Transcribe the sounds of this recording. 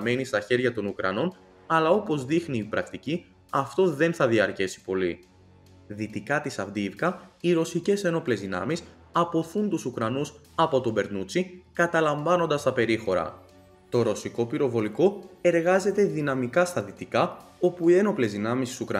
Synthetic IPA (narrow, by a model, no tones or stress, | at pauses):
ɐme̞nist̪ɐçe̞ɾʝɐt̪o̞nukɾɐ̰no̞n | ɐlɐo̞po̞zðixniːpɾɐkt̪ici | ɐft̪o̞ðe̞nθɐðiɐɾcesi̥po̞li | ðit̪ikɐt̪isɐvd̪ivkɐiɾo̞sice̞se̞no̞ple̞zðinɐ̰mis | ɐpo̞θunt̪usukɾɐnus | ɐpo̞t̪o̞be̞ɾnut͡sikɐt̪ɐlɐɱvɐno̞nd̪ɐst̪ɐpe̞ɾixo̞ɾɐ̰ | t̪o̞ɾo̞siko̞piɾo̞vo̞liko̞e̞ɾɣɐze̞t̪e̞ðinɐmikɐst̪ɐðit̪ikɐo̞puie̞no̞ple̞zðinɐmist̪i̥sukɾɐ